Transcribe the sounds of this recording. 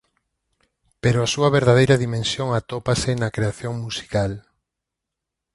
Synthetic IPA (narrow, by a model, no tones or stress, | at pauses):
peɾoasuɐβeɾðað̞ejɾɐðimẽnsjoŋat̪opasɪnɐkɾeaθjoŋmusi̥kal